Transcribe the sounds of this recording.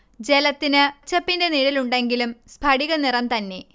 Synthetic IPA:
d͡ʑe̞lɐt̪ːinɨt͡ɕːɐpːinde̞niːɽiluɳɖe̞ŋɡilumspʰɐɽiɣɐnirɐmt̪ɐnːe̞

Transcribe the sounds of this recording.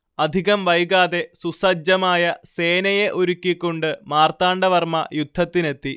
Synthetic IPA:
ɐd̪ʱiɣɐmʋɐjɣaːðe̞susɐd͡ʑɐmaːjɐse̞ːnɐjeʔoɾukʲːikʲːoɳɖɨmaːrt̪aːɳɖɐʋɐrmɐjud̪ʱːɐt̪ːine̞t̪ːi

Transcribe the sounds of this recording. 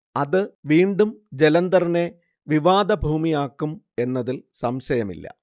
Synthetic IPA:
ɐðɨʋiːɳɖumd͡ʑelɐnd̪ɐrine | ʋiʋaːd̪ɐbʱuːmijaːkːum | e̞nːɐðilsɐmɕɐjɐmḭlːɐ̰

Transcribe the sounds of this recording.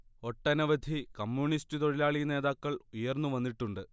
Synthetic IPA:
o̞ʈːɐnɐʋɐd̪ʱikɐmːjuɳistut̪oɻilaːɭine̞ːðaːkːɐɭujɐrnːuʋɐnːiʈːuɳɖɨ

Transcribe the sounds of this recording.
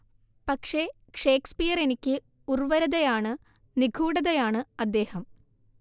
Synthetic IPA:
pɐkʂe̞ | ʂeːkspijɐre̞nikʲːɨ | urʋɐɾɐðɐjaːɳɨ | niɡʱuːɽɐðɐjaːɳɨɐd̪ːe̞ːhɐm

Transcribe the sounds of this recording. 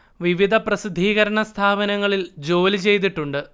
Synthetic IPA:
ʋiʋid̪ʱɐprɐsid̪ʱːiːɣɐɾɐɳɐst̪ʰaːbɐnɐŋːɐɭild͡ʑo̞ːlit͡ɕe̞jt̪̬iʈːuɳɖɨ

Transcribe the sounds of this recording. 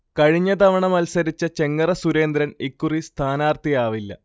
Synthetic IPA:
kɐɻiɲːɐd̪ɐʋɐɳɐmɐlsɐɾit͡ɕːɐt͡ɕe̞ŋːɐrɐsuɾe̞ːnd̪ɾɐnikːurist̪ʰaːnaːrt̪ijaːʋilːɐ̰

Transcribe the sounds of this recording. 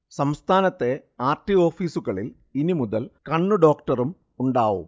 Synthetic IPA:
sɐmst̪ʰaːnɐt̪ːe̞aːrʈio̞ːfiːsuɣɐɭil | inimuðɐlkɐɳːuɖo̞ːkʈɐrum | uɳɖaːʋṵm

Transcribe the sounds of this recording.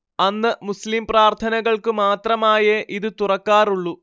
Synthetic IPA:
ɐnːɨmuslimpraːrt̪ʰɐnɐɣɐɭkɨmaːt̪rɐmaːjɐʔiðɨt̪urɐkːaːruɭːu

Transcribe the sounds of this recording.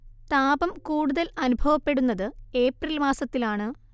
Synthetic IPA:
t̪aːbɐmkuːɽuðɐlɐnubʱɐʋɐpːe̞ɽunːɐðɨe̞ːprilmaːsɐt̪ːilaːɳɨ

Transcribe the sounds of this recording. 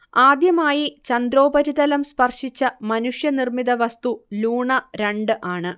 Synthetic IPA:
aːd̪jɐmaːjit͡ɕɐnd̪ɾo̞ːbɐɾiðɐlɐmspɐrʂit͡ɕːɐmɐnuʂjɐnirmiðɐʋɐst̪uluːɳɐɾeɳɖɨʔaːɳɨ

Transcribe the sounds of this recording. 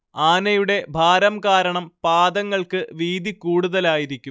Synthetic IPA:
aːnɐjuɽe̞bʱaːɾɐmkaːɾɐɳɐmpaːd̪ɐŋːɐɭkɨʋiːd̪ʱikuːɽuðɐlaːjiɾikʲːum

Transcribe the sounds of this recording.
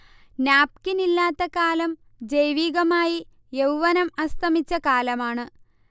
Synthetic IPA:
naːp̚kinilːaːt̪ːɐkaːlɐm | d͡ʑɐjʋiːɣɐmaːji | jewʋɐnɐmɐst̪ʰɐmit͡ɕːɐkaːlɐmaːɳɨ

